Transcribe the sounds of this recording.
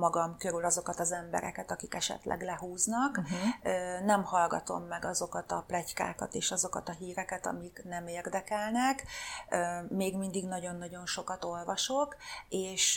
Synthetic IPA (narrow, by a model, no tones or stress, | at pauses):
mɒɡɒmkø̞ɾylɒzo̞kɒt̪ɒzɛmbɛ̰ɾɛ̰kɛt̪ɒkikɛʃɛ̰t̪lʔɛ̰ɡlɛɦuːznɒkː | nɛmhɒlɡɒ̰t̪o̞̰mːɛɡɒzo̞kɒt̪ɒplɛcka̰ːkɒ̰t̪eːʃɒzo̞kɒt̪ɒɦiːɾɛkɛt̪ɒ̰miknɛmeːrd̪ɛkɛlnɛkː | meːɡmind̪iɡnɒɟo̞nːɒɟo̞nʃo̞kɒt̪o̞lvɒʃo̞keːʃ